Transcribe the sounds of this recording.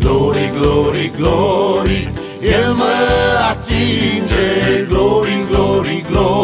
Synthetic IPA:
ɡloɾiɡloɾiɡloɾi | elməat͡ʃind͡ʒeɡloɾiɡloɾiɡlo

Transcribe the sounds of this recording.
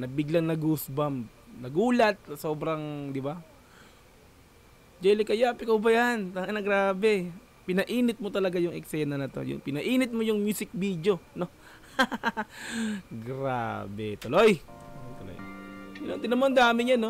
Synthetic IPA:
nɐbɪɡlaŋnɐɡusbam | nɐɡuːlɐt̪̚ɐsoːbɾɐŋd̪ɪba | d͡ʒɛlɪkɐjaːpɪkɐʊbɐjant̪ɐɡanɐɡɾaːbɛ | pɪnɐʔiːnɪt̪̚mo̞t̪ɐlɐɡajʊŋɛ̰ksɛnɐnɐt̪o̞̰jʊ̰ŋpɪnɐʔiːnɪt̪̚mojʊŋmjusɪk̚bid̪jo̞no̞ | ɡɾa̰ːbɛ̰t̪olo̞jojt̪olo̰jjnont̪ɪnɐmond̪aːmɪɲjɐno

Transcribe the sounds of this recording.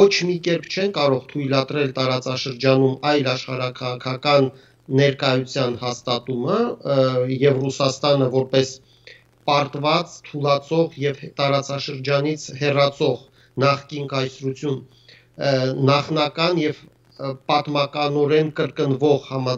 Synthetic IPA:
ɔt͡ʃʰmikɛɾpʰt͡ʃʰɛnkɑɾɔʁt̪ʰujlɑt̪ɾɛlt̪ɑɾɑt͡sɑʃəɾd͡ʒɑnumɑjlɑʃχɑɾɑkʰɑʁɑkʰɑkɑnː | ɛɾkɑjut͡sʰjɑnhɑst̪ɑt̪umə | jɛvrusɑst̪ɑnəvɔɾpɛs | pɑɾt̪vɑt͡st̪ʰulɑt͡sʰɔʁjɛvt̪ɑɾɑt͡sɑʃəɾd͡ʒɑnit͡sʰhɛrɑt͡sʰɔʁ | nɑχkinkɑjsɾut͡sʰjun | nɑχnɑkɑnjɛv | pɑt̪mɑkɑnɔɾɛnkəɾkənvɔʁhɑmɑ

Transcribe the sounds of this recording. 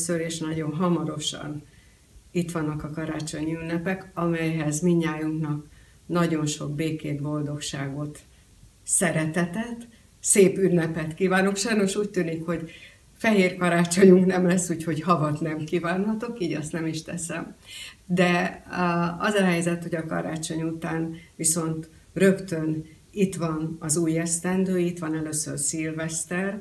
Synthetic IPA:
søɾeːʃnɒɟo̞nɦɒmɒɾo̞ʃɒ̰n | it̪ʋɒnːɒkɒkɒɾaːt͡ʃo̞ɲiynːɛpɛkɒmɛjɦɛzmiɲːaːjuŋknɒk | nɒɟo̞nʃo̞ɡ̚beːkeːd̪bo̞ld̪o̞kʃaːɡo̞t̪ | sɛɾɛt̪ɛt̪ɛt̪ː | seːpynːɛpɛt̪kiːvaːno̞kʃɒjno̞ʃuːc̚t̪yːnikho̞ɟ | fɛɦeːrkɒɾaːt͡ʃo̞ɲuŋknɛmlɛsːuːcho̞ɟhɒvɒt̪nɛmkiːvaːnɦɒt̪o̞kiːɟɒst̪nɛmiʃt̪ɛsɛmd̪ɛ | ɒzɒɦɛjzɛt̪ho̞ɟɒkɒɾaːt͡ʃo̞ɲut̪aːnʋiso̞nt̪ | rø̞kt̪øn | it̪ʋɒnɒzuːjɛst̪ɛnd̪øːit̪ʋɒnɛløsø̰rsilvɛst̪ɛr

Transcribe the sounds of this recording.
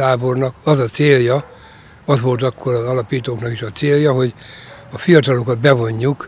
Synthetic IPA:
aːbo̞rnɒkɒzɒt̪seːljɒ | ɒzʋo̞lt̪ɒkʰːo̞ɾɒzɒlɒpiːt̪oːknɒkiʃɒt̪seːljɒɦo̞ɟɒfijɒt̪ɒlo̞kɒd̪bɛvo̞ɲːuk

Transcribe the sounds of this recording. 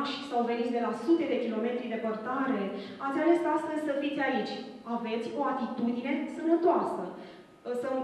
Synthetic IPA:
t͡ʃʲsawve̞nit̪sʲd̪e̞lasut̪e̞d̪e̞kʲilo̞me̞t̪ɾid̪e̞pərt̪aɾe̞at̪sʲalest̪ast̪fezʲsəfit̪sʲait͡ʃʲ | ave̞t̪sʲo̞at̪it̪ud̪ine̞sənət̪oasə | sə

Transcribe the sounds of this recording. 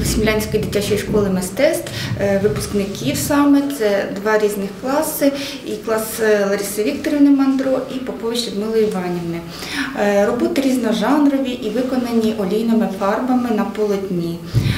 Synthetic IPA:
sʲimʲlʲanʲsʲkɔjd̪ʲitʲːat͡ʃɔjʃkɔlˠɪmɪst̪ɛst̪ʋɪpʊ̥sknɪkʲiwsɑmɛt̪sɛd̪ʋɑɾʲiznɪxklˠɑsɪ | iklˠɑslˠɐɾʲisɐʋʲikt̪ɔɾʲɔʋnɪmɐnd̪ɾɔʔipɔpɔʋʲit͡ʃʲsʲɔd̪mɪlˠɔjiʋɑnʲiʋnɪ | rɔbɔt̪ɪɾʲiznɐʒɑnrɔʋʲiʔiʋɪkɔnɐnʲːiʔɔlʲijnɔmɪfɑrbɐmɪnɐpɔlˠɔt̪ʲnʲi

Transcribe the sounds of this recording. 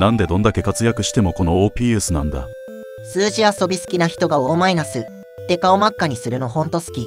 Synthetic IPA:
nãnd̪e̞d̪õ̞nd̪ake̞kat͡sɨjakɯ̟ɕi̥t̪e̞mo̞ko̞no̞oːpʲiːesɨnã̰nd̪a̰ | sɨːʑiaso̞bʲisɨ̥kʲinaçi̥t̪o̞ɡao̞mainasɨ | t̪ːe̞kao̞makːaɲ̟isɨɾɯ̟no̞hõ̞nt̪o̞sɨ̥kʲi

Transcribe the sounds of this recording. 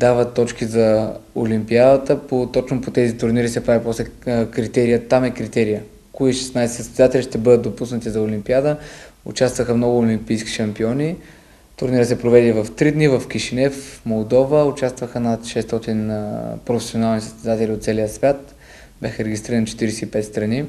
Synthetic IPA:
d̪avət̪ːɔt͡ʃkizɐolimpiad̪ət̪əpot̪ɔt͡ʃnopot̪ɛzit̪ʊɾniɾisɛpɾavipɔslɛkɾit̪ɛɾijət̪amɛkɾit̪ɛɾijə | koiʃɛ̥snajsɛt̪əsʲɛzat̪ɛlʲiʃt̪ɛbɤd̪ət̪d̪opusnət̪izɐʊlimpiad̪əʊ̰t͡ʃast̪vəxəmnɔɡʊːlimpijskʲi̥ʃɐmpiɔnʲi | t̪ʊɾniɾəsɛpɾovɛd̪ivɐft̪ɾid̪nivəfk̟iʃinɛfmolˠd̪ɔvəʊt͡ʃast̪vəxənat̪ʃɛst̪ɔt̪inpɾofɛ̥sʲionalˠnisə̥st̪ɛd̪at̪ɛliot̪t̪sɛlijəsvʲjat̪ | b̥ʲaxəɾɛɡʲist̪ɾiɾənt͡ʃɛ̥t̪iɾɛsɛipɛt̪st̪ɾɐni

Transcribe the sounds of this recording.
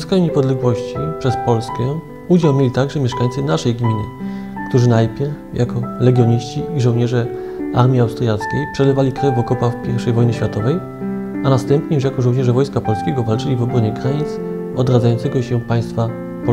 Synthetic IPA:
skaɲuɲɛpɔd̪lɛɡwɔɕt͡ɕipʂɛspɔlskɛ̃ | ud͡ʑawmʲjelʲit̪aɡʐɛmʲjɛʂkaɲt̪sɨnaʂɛjɡmʲinɘkt̪uʐɘnajpʲjɛɾfjakɔlɛɡʲjɔɲiɕt͡ɕiːʐɔwɲɛʐɛ | a̰ɾmʲiawst̪ɾjat̪skʲejpʂɛlɛvalʲikɾɛvːɔkɔpafpʲjɛɾfʂɛjvɔjnɘɕfʲjat̪ɔvɛj | anast̪ɛmpɲɛjuʂ̬jakɔʐɔ̃w̃ɲɛʐɛvɔjskapɔlskʲɛɡɔvalt͡ʂɘlʲivɔbɾɔɲɛkɾaɲit̪s | ɔd̪ɾad̪zajɔnt̪sɛɡɔɕɛpaj̃st̪fa | p

